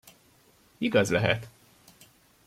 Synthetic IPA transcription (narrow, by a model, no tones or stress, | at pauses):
iɡɒzlɛɦɛ̰t̪